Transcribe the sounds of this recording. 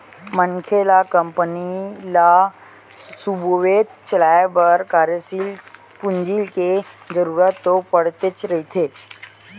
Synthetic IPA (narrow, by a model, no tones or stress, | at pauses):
məŋkʰelakəmpənila | suboʋeːt̪t͡ʃəlaːebəɾkaːɾjəsil | pʊɲd͡ʒilke | d͡ʒəɾuːɾət̪ːopəɽ̤t̪et͡ʃɾɐɦit̪ʰeː